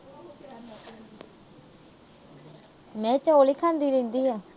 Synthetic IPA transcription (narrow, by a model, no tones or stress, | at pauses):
mɛ̃ːt͡ʃəoːliːkʰãːnd̪iːɾẽːnd̪iːɦɛː